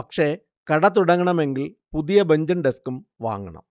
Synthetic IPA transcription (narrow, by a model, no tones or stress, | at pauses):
ɐkʂe̞ː | kɐɽɐt̪̬ːuɽɐŋːɐɳɐme̞ŋɡilpuðijɐbɐɲd͡ʑɐnɖeskumʋa̰ːŋːɐɳɐ̰m